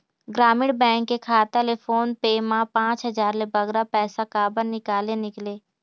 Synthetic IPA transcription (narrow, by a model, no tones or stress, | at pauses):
ɡɾaːmɪɽbɛ̃ːŋkːekʰaːt̪alefʰoːnpeːmãpãːt͡ʃɦəzaːɾlebəɡɾapɛːsakaːbənnɪkaːlenɪkleː